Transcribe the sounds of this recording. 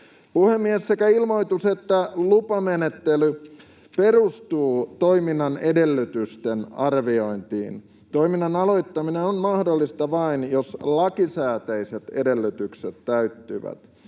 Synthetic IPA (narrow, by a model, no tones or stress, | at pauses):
puhemːiesːekæilmo̞it̪uset̪ːælupɑmenet̪ːely | perust̪uːt̪oiminːɑnedelːyt̪yst̪enɑrʋio̞int̪ḭːn | t̪oiminːɑnɑlo̞it̪ːɑminenonmɑhdolːist̪ɑʋɑinjoslɑkisæːt̪æiset̪ede̞lːyt̪ykset̪tæyt̪ːy̰ʋæ̰t̪